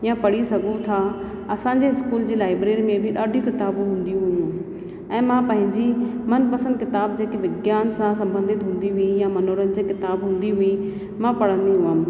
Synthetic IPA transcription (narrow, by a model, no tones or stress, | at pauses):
jãpɐɽisɐɡʱũt̪ʰa | ɐsãɲd͡ʑeɪskuːld͡ʑeːlaːɪbɾeːɾimẽbʱɪɗaːɖʱjũkɪt̪aːbũɦũːn̆d̪ĩɦujũ | ɛ̃ːmãpɐ̃ɦɪ̃ɲd͡ʑimɐnpɐsə̃nd̪̚kɪt̪aːb̚d͡ʑeːkeʋɪɡjaːnsãsɐ̃mbə̃nd̪ʱɪt̪ɦũːnd̪iɦʊijamɐnoːɾənɪ̆d͡ʑeːkɪt̪aːbɦũːn̆d̪iɦui | mãpɐɽ̤ə̃nd̪iɦuʋəm